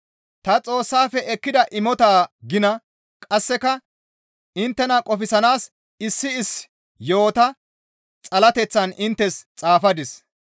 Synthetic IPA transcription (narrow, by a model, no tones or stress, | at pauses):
t̪ɐt͡sʼo̞ːsːaːfɛɛkːɪd̪ɐʔɪmɔt̪aːɡɪnɐ | kʼɐsːɛkɐ | ɪnt̪ːɛnɐkʼɔfɪsɐnaːs | ɪsːɪɪs | jo̞ːt̪ɐ | t͡sʼɐlɐt̪ɛt͡sːɐnɪnt̪ːɛst͡sʼaːfɐd̪ɪs